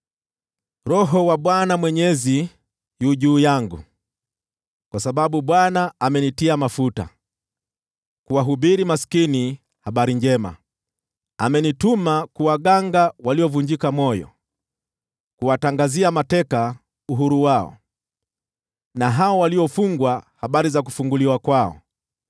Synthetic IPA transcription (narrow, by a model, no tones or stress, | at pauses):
ɾɔɦɔwaɓwanamwɛɲɛzi | juʄuːjaŋɡṵ | kwasaɓaɓuɓwanaamɛnitiamafuta̰ | kuwaɦuɓiɾimasi̥kini | haɓaɾiɲd͡ʒɛma̰ | a̰mɛnitumakuwaɠaŋɡawaliɔvuɲd͡ʒikamɔjɔ̰ | kuwataŋɡaziamatɛka | uɦuɾuwaɔ̰ | naɦaɔwaliɔfuŋɡwahaɓaɾizak̬u̥fuŋɡuliwakwaɔ̰